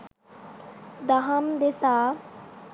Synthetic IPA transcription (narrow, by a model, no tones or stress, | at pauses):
d̪aɦəmd̪esaː